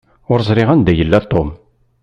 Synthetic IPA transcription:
ʊɾzˤɾɪʁænd̪æjəlːæt̪ˤːom

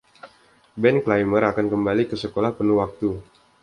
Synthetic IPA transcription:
bɛnklajməɾakankəmbalikəsəkolahpənuhwak̚t̪u

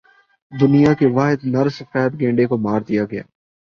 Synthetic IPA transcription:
d̪ʊnijakeʋaːɦɪd̪nɐɾsɪfɛːət̪ɡẽːɳɖekomaːɾd̪ijaɡɐja̰ː

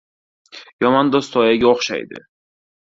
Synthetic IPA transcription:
jɒmɒnd̪ost̪ʰɒjaɡʲaoχʃa̰jd̪ɪ̰

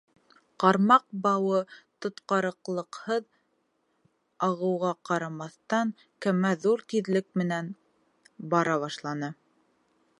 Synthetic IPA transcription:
qɑɾmɑq̚bɑwɤt̪ŏt̪qɑɾɤ̆qlˠɤ̆qhɤð | ɑʁɤ̆wʁɑqɑɾɑmɑθt̪ɑŋ | kæmæðuɾt̪iðlɘk̚mɘ̆næn | bɑɾɑβɑʃlˠɑnɤ

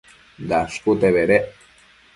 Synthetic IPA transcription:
d̪askut̪eβeɾe

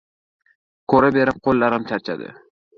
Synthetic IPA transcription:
kʰɵɾabe̞ɾɪp̚qʰolːaɾɪmt͡ʃʰaɾt͡ʃʰa̰d̪ɪ̰

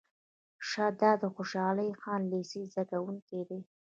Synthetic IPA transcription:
ʃad̪ɑd̪əxoʃɑləjxɑnlesizakawuŋked̪e

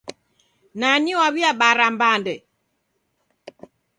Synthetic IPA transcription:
naniwaβiaɓaɾambandɛ

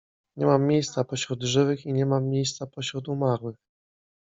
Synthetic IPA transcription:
ɲɛmamːjejst̪sapɔɕɾud̪ʐɘvɘxiɲɛmamːjejst̪sapɔɕɾut̪umaɾwɘx

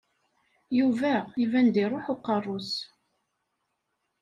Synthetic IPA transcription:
juvæivænd̪iɾˤoħʊqːərˤːʊs

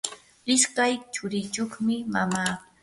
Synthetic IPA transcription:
ɪskajt͡ʃʊɾɪt͡ʃoχmɪmamaː

